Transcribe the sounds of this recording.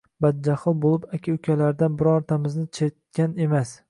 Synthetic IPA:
bad̪̚d͡ʒaχɨlˠbolˠɪpakʲʰaʊkʲʰalaɾd̪anbɪɾɒɾt̪ʰamɪznɪt͡ʃʰet̪̚kʲane̞mas

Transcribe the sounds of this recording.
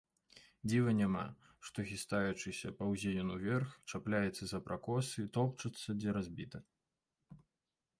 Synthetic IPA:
d͡zʲivɐnʲama̰ | ʂt̪ɔɣʲist̪ajut͡ʂɨsʲɐpɐwzʲejʲunuvʲɛrxt͡ʂaplʲajɛt̪sːɐzɐpɾʔakɔsɨt̪ɔpt͡ʂɐt̪sːɐd͡zʲɛɾazʲbʲit̪ɐ

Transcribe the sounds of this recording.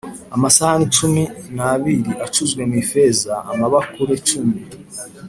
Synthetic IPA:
amasahanit͡ʃuminaβiɾiʔat͡ʃuzɡwe̞miːfe̞zaa̰maβakuɾet͡ʃumi

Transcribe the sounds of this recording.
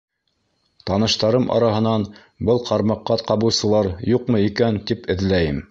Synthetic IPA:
t̪ɑnɤ̆ʃt̪ɑɾɤmʔɑ̰ɾɑɦɤ̆nɑn | bɤlˠqʰɑɾmɑqːɑqɑβɤ̆wsɤ̆lˠɑɾjuqmɤikænt̪ipɘ̆ðlæjɘm

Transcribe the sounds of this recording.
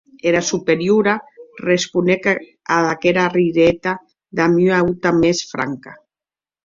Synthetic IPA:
eɾasupeɾjuɾarespunek | aðakeɾariɾet̪a | ðamyawt̪amesfɾa̰ŋka

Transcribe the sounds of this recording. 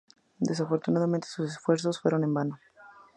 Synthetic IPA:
d̪e̞s̬afo̞ɾt̪unaðament̪esusesfwe̞ɾso̞sfwe̞ɾo̞ne̞mbano

